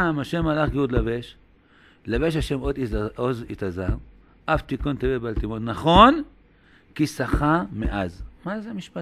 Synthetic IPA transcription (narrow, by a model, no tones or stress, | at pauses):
amaʃemalaχɡeud̪laveʃ | laveʃaʃemod̪ozit̪azaʁ | ʔaft̪ikont̪evebalt̪imonnaχon | kisaχameʔazmazemiʃpa